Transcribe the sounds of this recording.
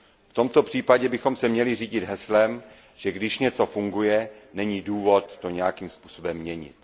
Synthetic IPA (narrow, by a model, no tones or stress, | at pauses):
ft̪o̞mt̪o̞pr̝̥iːpaɟɛbɪxo̞msɛmɲɛlɪriːɟɪd̪ɦɛslɛm | ʒ̥ɛɡdɪʃɲɛt͡so̞fuŋɡujɛnɛɲiːduːvo̞t̪ːo̞ɲɛjakiːmspuːso̞bɛmːɲɛɲɪ̰t̪